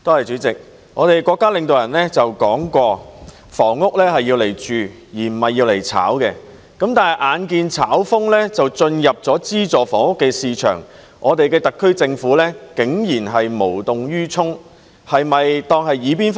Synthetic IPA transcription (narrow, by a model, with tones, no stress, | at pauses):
t̪o˥hɐ˨jt͡ʃyː˨˥t͡sɪ˨k̚ | ŋɔː˨˧t̪e˨jkʷɔː˧kːaː˥lɪ˨ŋt̪o˨wjɐ˨˩nlɛ˥t͡sɐ˨wkɔː˨˥ŋkʷɔː˧ | fɔː˨˩ŋːʊ˥k̚lɛː˥hɐ˨jːiː˧wle˨˩jt͡ʃyː˨ | jiː˨˩m̩˨˩hɐ˨jːiː˧wle˨˩jt͡sʰa̰ː˨˥wkɛ˧ | kɐ˨˥mt̪aː˨nɦɐ˨˩jʔaː˨˧nkiː˧nt͡sʰaː˨˥wfʊ˥ŋlɛː˥t͡sɐ˨wt͡sɵ˧njɐ˨p̚t͡sɔː˨˥t͡siː˥t͡sɔː˨fɔː˨˩ŋʊ˥kːɛː˧siː˧t͡ʃʰœ̰ː˨˩ŋ | ʔɔ̰ː˨˧t̪e˨jkɛː˧t̪ɐ˨kʰːɵ˥ɥt͡sɪ˧ŋfuː˨˥lɛː˥kɪ˨˥ŋjiː˨˩nɦɐ˨jmo˨˩wt̪ʊ˨ŋjyː˥t͡ʃʰʊ˥ŋ | hɐ˨jmɐ˨jt̪ɔː˧ŋhɐ˨jiː˨˧˥p̬iː˥nf